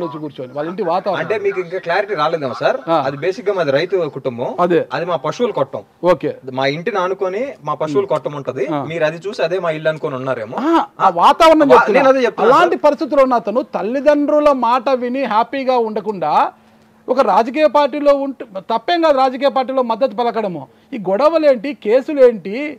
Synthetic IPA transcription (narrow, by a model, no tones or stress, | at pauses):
lot͡ʃuɡuːɾt͡ʃoːniʋaːliɳʈ̬iʋaːt̪aːɐɐɳʈe̞ːmiːkuiŋkaːklaːɾiʈiɾaːlend̪eːmɐsaːɾaːɐd̪ibe̞ːsik̚ɡaːmaːd̪iɾɐjt̪ukuʈumbɐmɐd̪eːɐd̪imaːpɐʂuulkɔʈːɐ̰m | oːkḛːmaːiɳʈinɐnukoːnimaːpɐʃuʋulkɔʈːɐmuɳʈund̪iaːmiːɾɐd̪it͡ʃuːsiɐd̪e̞ːmaːilːɐnukoːniunːaːɾeːmuaːaʋaːt̪aːʋɐɾɐɳɐmt͡ʃeneːnɐd̪eːt͡ʃep̚t̪ɐlːlaːɳʈipɐɾist̪it̪̬ulunːɐt̪ɐnut̪ɐlːid̪ɐɳɖɾulɐmaːʈɐʋiniɦaːpiːɡaːuɳɖɐkuɳɖaː | ɔkɐɾaːd͡ʒɐk̬iːjɐpaːɾʈːiːlo̞ːuɳut̪ɐpːɛːŋɡaːd̪uɾaːd͡ʒɐk̬iːjɐp̬aːɾʈ̬ːiːloːmɐd̪ːɐt̪̬ːupɛlɐkɐɽɐmu | iːɡɔɽɐʋɐle̞ːɳʈike̞ːsuleːɳʈi